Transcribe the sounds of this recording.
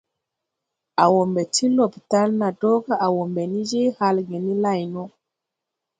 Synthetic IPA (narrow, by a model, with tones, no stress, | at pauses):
a˨wo˨mbɛ˨ti˦lo˨pi̥˨ta˦lna˨tɔ˦ka˦ʔa˨wo˨mbɛ˨ni˦d͡ʒe˦ha˦lɡɛ˨ni˦la˦˨jnɔ˦